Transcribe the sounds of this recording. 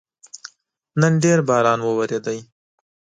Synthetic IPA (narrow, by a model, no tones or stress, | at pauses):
nənɖeɾbɑːɾɑːnwəwaɾed̪əj